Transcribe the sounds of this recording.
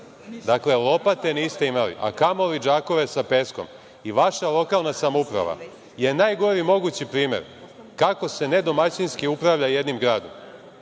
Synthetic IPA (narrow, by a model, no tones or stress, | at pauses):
d̪akle̞lˠo̞pat̪e̞niːst̪e̞imalḭʔa̰kamolid͡ʒaːko̞ʋe̞sape̞sko̞m | iʋaʃalˠo̞kalˠnasamoupɾa̰ʋa̰ | je̞naːjɡo̞ɾimo̞ɡuːt͡ɕipɾiːme̞̰ɾ | kakose̞ne̞d̪o̞mat͡ɕinskiupɾaʋʎaje̞d̪nimɡɾaːd̪om